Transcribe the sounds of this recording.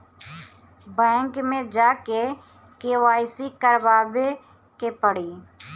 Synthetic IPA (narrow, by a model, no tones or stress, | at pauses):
bɛ̃ːŋkmẽːd͡ʒaːkeː | keːʋaːɪsiːkəɾʋaːbeː | keːpəɽiː